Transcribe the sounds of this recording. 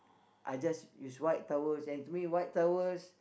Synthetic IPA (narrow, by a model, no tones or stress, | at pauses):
ʔa̰jd͡ʒasjuswajt̚tawəsɛ̃ntumĩwajt̚tawəs